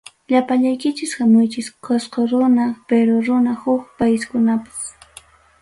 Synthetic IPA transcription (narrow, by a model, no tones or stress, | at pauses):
ʎapaʎajkɪt͡ʃɪshamʊjt͡ʃɪsqosqoɾʊnapeɾoɾʊnahʊkpajskʊnapḁs